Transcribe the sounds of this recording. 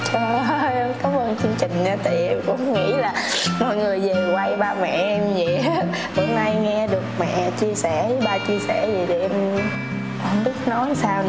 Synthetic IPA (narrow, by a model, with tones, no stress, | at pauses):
t͡ɕɔ˧˨˧kɔ˨˦məː˧nt͡ɕɨ˧əŋt͡ɕŋ̟aː˨˧˦t̪ʰa˨˧˨kʊ̰˧˥ŋ͡mŋḭ˧˥laː˨˩mɔ˨˩jŋɨ˨˩əjve˨˩kwa˧jɓaː˧mɛ̰˧˨ʔɛ˧mzi˨ | ho˧mna˧jŋɛ˧ɗɨ˨˩ək̚mɛ̰˧˨t͡ɕi˧əsɛ˧˩ɓaː˧t͡ɕi˧əsɛ˧˩zi˨˩ɗe˨˩ʔɛ˧m | ʔə˧wŋ͡mɓi˦˥ət̚nɔ˨˦jsaː˧w